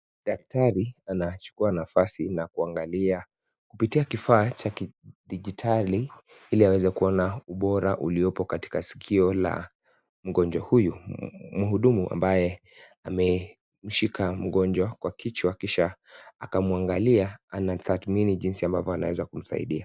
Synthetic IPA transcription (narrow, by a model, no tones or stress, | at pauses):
ɗak̚tʰaɾianat͡ʃu̥kuanafasinakuaŋɡalia | kupitiakifaːt͡ʃakiɗiʄitʰali | hiliawɛzɛkuɔnauɓɔɾaʔuliɔpɔkati̥kasi̥kʰiɔla̰ | m̩ɠɔnd͡ʒwahujumuɦuɗumuʔa̰mbajɛ | amɛ | m̩ʃikʰam̩ɠɔnd͡ʒwakwakʰit͡ʃwakiʃaakamuaŋɡaliaanat̪aθminiʄinsiambavɔana̰wɛzakum̩sa̰ḭɗia